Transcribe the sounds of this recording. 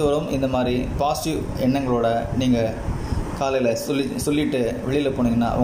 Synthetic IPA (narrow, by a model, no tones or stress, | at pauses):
ɯʋɐɾɯmɪnd̪ɐmaːd̪ɾipaːsʈu | ɛɳːɐŋɡɐɭoːɽɐniːŋɡɐ | kaːlɐɪlɐsɔlːɪsɔlːɪʈːɯʋɛɭɪjɪlɐpoːɳɪŋɡɐnːa̰ːɐ̰ʋɐ